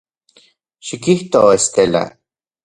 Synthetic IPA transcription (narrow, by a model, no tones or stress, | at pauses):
ʃikiht̪oest̪ela̰